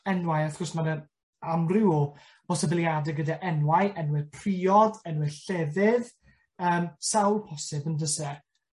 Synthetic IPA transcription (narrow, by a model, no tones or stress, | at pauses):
ɛnwajaθɡɔsmanən | amrɪw | b̥ɔsəbɪlˠjadɛɡədaʔɛnwajʔɛnwɪðpʰr̥iːɔdɛnwɪðɬɛðɪð | əːmsawlˠpʰɔsɪbəndəsɛ